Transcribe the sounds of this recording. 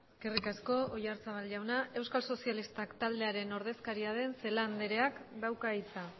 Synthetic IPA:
kerikasko̞ojaɾt͡saβalʝawnae̞wskalso̞sialist̪akt̪ald̪e̞aɾe̞no̞ɾðe̞skaɾiaðe̞nse̞land̪e̞ɾe̞akd̪awkaijt͡sa

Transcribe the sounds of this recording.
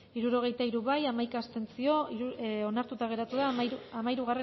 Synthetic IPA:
iɾuɾo̞ɣ̞e̞jt̪aiɾuβajamajkaːst̪e̞nt͡sio̞iuo̞naɾt̪ut̪aɣ̞e̞ɾat̪uðaamaiɾuɣare

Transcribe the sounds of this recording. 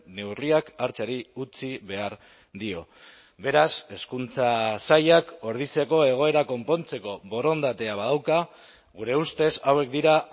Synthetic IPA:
ne̞wɾriakaɾt͡saɾiut͡siβe̞aɾ | d̪io̞̰ | βe̞ɾase̞skunt͡sasajako̞ɾð̞it͡se̞ko̞e̞ɣ̞o̞e̞ɾako̞mpo̞nt͡se̞ko̞βo̞ɾo̞nd̪at̪e̞aβað̞awka | ɣuɾe̞ust̪e̞sawe̞k̚d̪iɾa

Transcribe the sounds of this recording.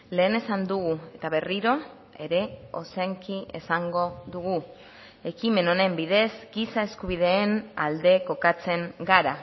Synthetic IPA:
le̞ːne̞sand̪uɣue̞t̪aβe̞riɾo̞ | e̞ɾe̞o̞seŋkiḛsaŋɡo̞ðuɣu | e̞kime̞no̞ne̞mbiðe̞zɡisae̞skuβiðe̞ːna̰ld̪e̞ko̞kat͡se̞ŋɡaɾa

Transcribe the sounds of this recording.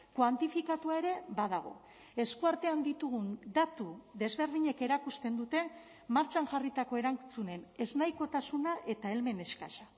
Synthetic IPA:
kwant̪ifikat̪uae̞ɾe̞bað̞aɣ̞o̞̰ | e̞skuaɾt̪e̞and̪it̪uɣund̪at̪uðe̞zβe̞ɾðiɲe̞ke̞ɾakust̪e̞nd̪ut̪e̞ | maɾt͡ʃaŋʝarit̪ako̞eɾant͡sune̞ne̞znajko̞t̪asunaʔe̞t̪ae̞lme̞ne̞ska̰ʃa

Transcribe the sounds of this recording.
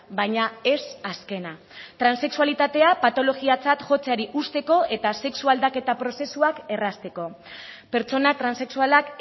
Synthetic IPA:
bajɲae̞saske̞na | t̪ɾanse̞ksualit̪at̪e̞apat̪o̞lo̞ɣiat͡sat̪ʝo̞t͡seaɾiʔust̪e̞ko̞ʔe̞t̪ase̞ksuald̪ake̞t̪apɾo̞se̞suake̞rast̪e̞ko̞ | pe̞ɾt͡so̞nat̪ɾanse̞ksualak

